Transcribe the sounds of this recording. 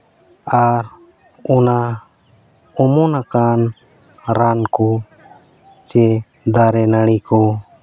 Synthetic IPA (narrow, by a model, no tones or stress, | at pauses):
aɾ | ɔna | ɔmɔnakan | ɾankɔ | t͡ʃɛ | d̪aɾɛnaɽ̃ikɔ